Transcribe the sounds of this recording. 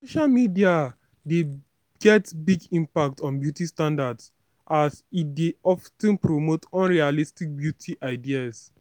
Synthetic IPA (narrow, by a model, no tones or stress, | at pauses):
soʃalmidia | de | ɡ̥ɛtbiɡĩmpak̚tʰɔ̃nbjutistãndads | ʔasit̚deɔftɛ̃npɹomotɔ̃nɹialistik̚bjutʰiʔaɪdias